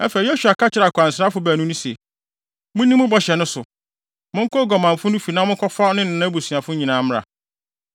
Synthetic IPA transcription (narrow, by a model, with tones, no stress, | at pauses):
ɛ˦fɛ˨˦jo˦su˨a˨kʰa˦t͡ɕʰɪ˦ɾa˨kʰa˨n˨sɾa˦fʊ˨˦bæː˨nũ˦nũ˦se˨ | mʊ̃˦nĩ˦mʊ̃˦bɔ˨ɕɛ˨nʊ̃˦sʊ̰˨ | mʊ̃˦ŋ˦kʰɔ˦ɡɔ˨mã˨ɱ˨fʊ˦nʊ̃˦fi˨nã˦mʊ̃˦kʰɔ˦fa˦nɪ̃˦nɪ̃˨nã˦bu˨si˨a˨fʊ˦ɲĩ˨nãː˨˦m˦ɾa̰˨